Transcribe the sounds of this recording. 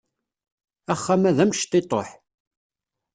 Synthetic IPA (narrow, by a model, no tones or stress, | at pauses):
æχːæmæðæmʃt̪ɪt̪ˤo̰ħ